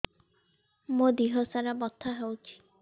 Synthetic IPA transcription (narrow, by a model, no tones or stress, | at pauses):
mod̪iɦosaɾabɔt̪ʰːaɦewt͡ʃʰi̥